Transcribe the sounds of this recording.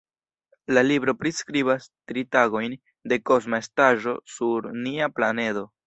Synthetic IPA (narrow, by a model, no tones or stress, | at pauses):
lalibɾo̞pɾiskɾibastɾitaɡo̞jn | de̞ko̞s̬maestaʒo̞suɾniaplane̞do̞